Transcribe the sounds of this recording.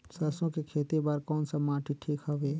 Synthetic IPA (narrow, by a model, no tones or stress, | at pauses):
səsõkekʰeːt̪ebaɾkɔːnsɐmaːʈʰiʈʰiːkɦɐʋeː